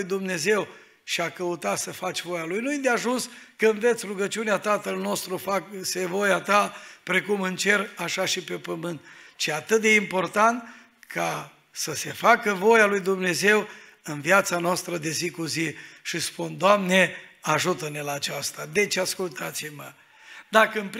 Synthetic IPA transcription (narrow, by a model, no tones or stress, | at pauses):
jd̪umne̞ze̞w | ʃiakəut̪at̪səfat͡ʃʲvo̞jalujnujid̪eaʒunskəɨnve̞t̪sʲruɡət͡ʃiuneat̪at̪əlno̞st̪ɾufaksevo̞jat̪apɾe̞kumɨnt͡ʃe̞raʃaʃipe̞pəmɨnt̪t͡ʃiat̪ɨt̪̚d̪e̞impo̞rt̪ant̪ | kʰa | səse̞fakəvo̞jalujd̪umne̞ze̞w | ɨnviat̪sanoast̪ɾəd̪e̞zikuziʃispund̪oamne̞aʒut̪əne̞laːt͡ʃast̪ad̪e̞t͡ʃeaskult̪at̪simə | d̪akəɨnp